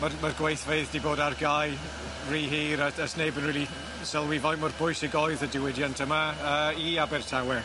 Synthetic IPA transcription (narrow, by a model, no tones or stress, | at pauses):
marmarɡwejθveɨðdiboːdarɡaj | riːɦiːɾəəsnejbənriːli | sɛlˠwivɔjmɔrbʊjsiɡɔɨðədɪwɪdjantʰəmaəiabɪrtʰawɛ